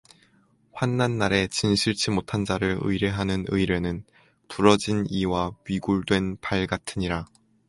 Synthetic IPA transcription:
ɸwanːanːaɾe̞t͡ɕinɕʰiɭt͡ɕʰimotʰand͡ʑaɾɯɾɯ̰iɾeɦanɯnɯiɾe̞nɯn | tuɾʌd͡ʑiniwaɥiɡuɭdwe̞npaɭɡatʰɯɲiɾa

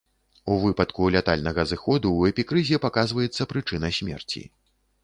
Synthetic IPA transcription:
uvɨpɐt̪kulʲat̪alʲnɐɣɐzɨxɔd̪uːɛpʲikɾɨzʲɛpakazvɐjɛt̪sːɐpɾɨt͡ʂɨnɐsʲmʲɛ̰rt͡sʲḭ

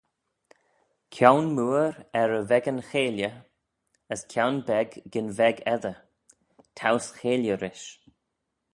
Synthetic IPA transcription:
kʰjawnmuːɾɛɹəvɛɡənxeːljə | əskʰjawnbɛɡːɪnvɛɡɛðə | tʰawsxeːljəɾɪʃ

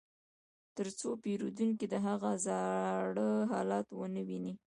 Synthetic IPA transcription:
t̪əɾt͡sopeɾud̪uŋkid̪əɦaɣazɑɽəɦɑlɑt̪wənəwini

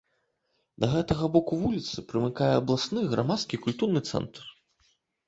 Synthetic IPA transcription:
d̪ɐɣɛt̪ɐɣɐbɔkuvulʲit̪sɨpɾɨmɨkajɛɐblˠasnɨɣɾamat̪skʲikulʲt̪urnɨt̪sɛ̰nt̪r

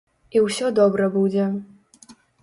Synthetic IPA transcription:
iwsʲɔd̪ɔbɾɐbud͡zʲɛ

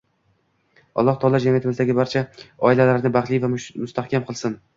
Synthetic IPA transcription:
ɒ̰lˠːɒht̪ʰɒlˠad͡ʒamijat̪ɪmɪzd̪aɡʲɪbaɾt͡ʃʰaɒɪlalaɾɪnɪbaχlˠijvamʊst̪ʰahkʲamqʰɨlˠsɪn

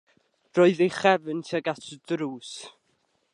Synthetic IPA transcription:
rɔːɨðejχɛvəntʰiaɡatʰdɾuːs

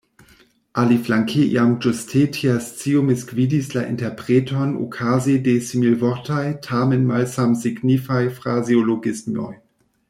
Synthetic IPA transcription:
ʔaliflaŋkʰeʔj̰amd͡ʒostʰetʰiast͡siomɪskviːdislaʔɪ̰ntɛɐpʁ̥eːtʰɔno̰kʰaːzedesimilvɔʁtʰajtʰaːmɛnmalsamsiɡnifajfʁazioloɡɪsmɔ̰j

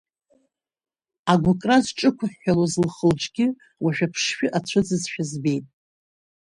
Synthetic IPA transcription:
aɡʷʊkʼrazʈ͡ʂʼɨkʷʰaħːalozlχəlʈ͡ʂʼɡʲɪ | waʃᶣapʰʂʃᶣɪʔat͡ɕʷʰɨd͡zɨzʃᶣazbe̞jtʼ

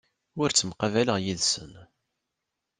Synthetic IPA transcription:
ʊɾt͡sːəmqɑvæləʁjiðsən

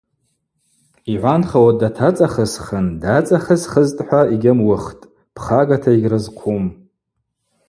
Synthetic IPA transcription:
iʕʷanχawadatʰat͡sʼaχəsχəndat͡sʼaχəzχəztʼħʷaiɡʲɪmwʊχtʼ | pʰχaɡatʰaiɡʲrɨzqʷʰum

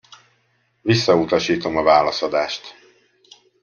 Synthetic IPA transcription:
visːɒut̪ɒʃiːt̪o̞mɒvaːlɒsɒd̪aːʃt̪

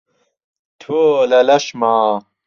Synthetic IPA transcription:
t̪ʰoːlɐlɐɕmaː

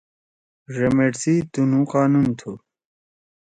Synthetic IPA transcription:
ʐemeʈsit̪unũqaːnunt̪ʰu

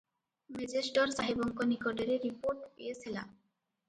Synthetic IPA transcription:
med͡ʑeʃʈoɾsaɦibɔŋkonikoɖeɾeɾːipoɾʈpejet͡ɕʰila̰

